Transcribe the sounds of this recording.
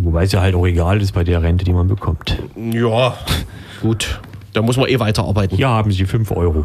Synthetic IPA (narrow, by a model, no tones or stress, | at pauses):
vobaɪsjaːɦaltaʊxeɡaːlɪs̬tb̥aɪdeːɐʁɛntədiːmanbəkʰɔmtjaː | ɡ̥uːtd̥aːmʊs̬mɐnʔeːvaɪtɐʔa̰ɐbaɪtn̩hiːɐhaːbm̩zifʏnfʔɔ̰ʏʁo